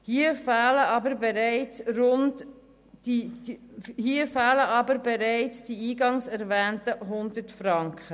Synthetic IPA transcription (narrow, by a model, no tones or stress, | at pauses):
hiːəfɑːləɑbəɾbeɾæɪt͡srʊnt | d̥i | hiːəfaːləʔɑbəɾbeɾæɪt͡sd̥iiːɡɑŋsɛɾvæːntəɦʊndətfrɑŋkχə